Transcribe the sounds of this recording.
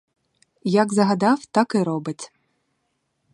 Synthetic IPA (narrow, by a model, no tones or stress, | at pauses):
jaɡzɐɣad̪awt̪akɪɾɔbɨtʲ